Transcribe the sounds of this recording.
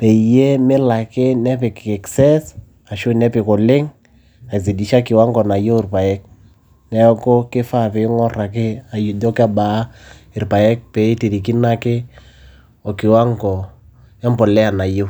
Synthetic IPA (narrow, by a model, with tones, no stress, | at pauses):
pɛ˨je˦mɪ˦la˨ke˦nɛ˦pɪ˨kɛ˨ksɛ˦s | a˨ʃo˦˨nɛ˦pɪ˨ko˨lɪ˦ŋ | a˨zi˨di˨ʃa˦kɪ˨wa˦ŋɡɔ˨na˨jo˦ɪ˨rpa˨jɛ˦k̚ | nɛ˦ko˦kɪ˦fa˦˨pe˨˦ŋɔ˦ra˨kɪ˦a˨jdɔ˦ka˦ba˨˦ | ɪ˨ɾpa˨jɛ˦k̚pɛ˨i˦ti˨ɾi˨ki˦na˦kɪ˦ | ɔ˨kɪ˨wa˦ŋɡɔ˨ | ja˦mpɔ˨lɛ˦a˨na˨jo˦